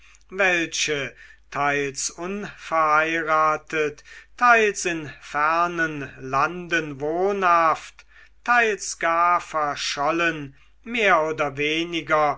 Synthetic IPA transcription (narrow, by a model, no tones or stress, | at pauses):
vɛlʃətʰaɪlsʊnfɛɐhaɪʁaːtʰəttʰaɪlsɪnfɛʁnənlandənvoːnhaft | tʰːaɪlsɡ̥aːɐfɛɐʃɔlən | meːɐoːdɐveːnɪɡɐ